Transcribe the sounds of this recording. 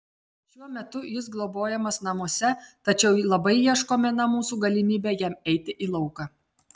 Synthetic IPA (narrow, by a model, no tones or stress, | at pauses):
ʃʲuɔmʲɛt̪ʊjɪs̬ɡlˠoboːjɛmɐsnɐmuɔsʲɛt̪ɐt͡ʃʲɛʊlˠɐbɐɪjiɛʃkoːmʲɛnɐmuːsuːɡɐlʲɪmʲiːbʲeːjɛmɛɪt̪ʲɪʔilˠɒʊkɑ